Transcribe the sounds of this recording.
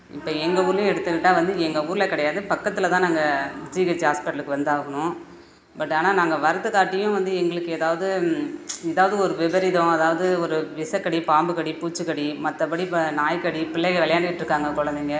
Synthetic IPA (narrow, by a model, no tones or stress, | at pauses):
ɪpːoːɛŋɡɐuːɾlʊ̃ɛɽɯt̪ːɯkːɪʈːaːʋɐnd̪ɯɛŋɡɐuːɾɯlɐkɪɽɐjaːðɯpɐkːɐt̪ːɪlɐt̪ãːnaːŋɡɐsikɐt͡ʃːaːspɪʈɐlɯkːɯʋɐnd̪ɯaːɣɐnʊ̃ | bɐʈːaːnaːnaːŋɡɐʋɐɾɐt̪ːɯkaːʈːɪjʊ̃ʋɐnd̪ɯɛŋɡɐɭɯkːɯɛðaːʋɐðɯ | ɛðaːʋɐðɯɔɾɯʋɛbɐɾɪðɐ̃ɐðaːʋɐðɯɔɾɯʋɪsɐkːɐɽipaːmbɯkɐɽipuːt͡ʃːɯkːɐɽimɐt̪ːɐpːɐɽipnaːjkɐɽipɪɭːɛɣɐʋɛɭɐjaːnɖɯkɪʈːɪɾɯkːaːŋɡɐkɔɽɐnd̪iːŋɡɐ